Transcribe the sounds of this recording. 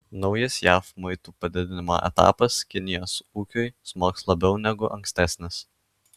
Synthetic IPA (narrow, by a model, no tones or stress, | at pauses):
nɒʊjɐsjæːfmʊɪt̪uːpɐd̪ʲɪd̪ʲɪnʲɪmo̰ːʔɛ̰t̪ɑ̰ːpɐskʲɪnʲɪjoːsuːkʲʊjsmoːkslˠɐbʲɛʊnʲɛɡʊʔɐŋʲksʲt̪ʲæːsʲnʲɪs